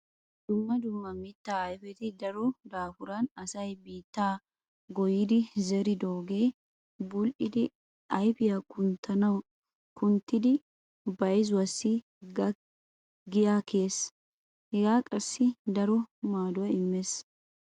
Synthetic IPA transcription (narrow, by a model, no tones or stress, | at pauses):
d̪̥ʊmːɐd̪ʊmːɐmɪt̪ːaːjfɛt̪ɪd̪ɐɾɔd̪aːfʊɾanɐsɐjbiːt̪ːaː | ɡɔjɪd̪ɪzɛɾɪd̪oːɡeː | bʊlʔɪd̪ɪ | ɐjpɪjɐkʊnt̪ʰɐnɐ | kʊnt̪ɪd̪ɪ | bɐɪz̬wɐsi | ɡɪjaːkeːs | hɪɡaːkʼɐsːɪd̪ɐɾɔmaːd̪ʊɛɪmːɛs